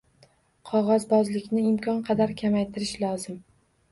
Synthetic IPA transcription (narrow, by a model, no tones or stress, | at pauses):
qʰɒʁɒzbɒzlɪkʲnɪɪmkʲʰɒnqʰɑd̪aɾkʲʰamajt̪ʰɪɾɪʃlˠɒzɪm